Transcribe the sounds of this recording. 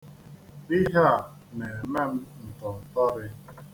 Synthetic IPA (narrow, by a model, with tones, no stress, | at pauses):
ɪ˦ɦa˦˨ | ne˨me˦˨m̩˦n̩˨tɔ˨n̩˨tɔ˦ɾɪ˦